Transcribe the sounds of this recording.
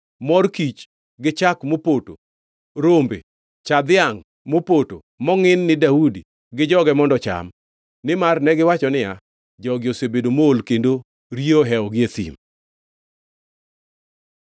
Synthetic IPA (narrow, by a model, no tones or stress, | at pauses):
mɔrkit͡ʃ | ɡɪt͡ʃakmopoto̰ | ɾombḛ | t͡ʃad̪ɪaŋ | mopoto̰ | mɔŋɪnːɪdaudi | ɡɪd͡ʒɔɡɛmɔndɔt͡ʃa̰m | nɪmarnɛɡɪwat͡ʃɔnɪja | d͡ʒɔɡɪosebedomoolkendo | ɾioɦɛɔɡɪesḭm